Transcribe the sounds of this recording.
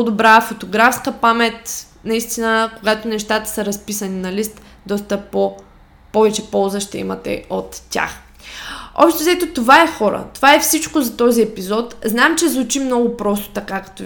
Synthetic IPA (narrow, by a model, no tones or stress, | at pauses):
od̪obɾafot̪oɡɾafskəpamɛt̪ | nɐist̪inəkoɡat̪onɛʃt̪at̪ə̥səɾɐspisəninɐlist̪ | d̪ɔst̪əpo | pɔvɛt͡ʃɛpɔlˠzəʃt̪ɛḭmɐt̪ɛ̰ot̪tʲa̰x | ɔ̰pʃt̪ɛzɛt̪ot̪ovaɛxɔɾə̰t̪ovaɛfsit͡ʃkozɐt̪ɔziɛpizɔt̪znamt͡ʃɛzvʊt͡ʃimnɔɡʊpɾɔst̪o̥t̪ɐkakɐ̥t̪ɔ